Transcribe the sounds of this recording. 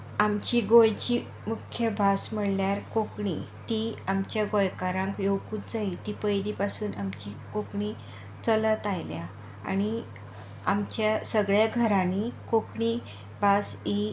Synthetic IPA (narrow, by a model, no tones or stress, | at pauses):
amt͡ɕiːɡojt͡ɕi | mukʰjəbʱasməɽljaɾkokɳḭt̪iamt͡ɕjaɡojkaɾãŋkjowkuːt̪d͡zait̪ipəjd̪ipasuːnamt͡ɕikokɳi | t͡sələt̪ajlja | a̰ñi | amt͡ɕjasəɡɭjaɡʱəɾãnikokɳi | bʱasi